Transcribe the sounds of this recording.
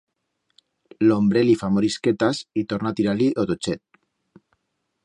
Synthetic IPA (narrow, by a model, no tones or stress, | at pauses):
lombɾelifamoɾisket̪asit̪oɾnat̪iɾaliot̪ot͡ʃet̪̚